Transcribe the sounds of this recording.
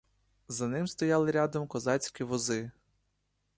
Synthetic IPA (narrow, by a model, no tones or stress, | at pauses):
zɐnɪmst̪ɔjɑlˠɪɾʲɑd̪ɔmkɔzɑt͡sʲkʲiʋɔzɪ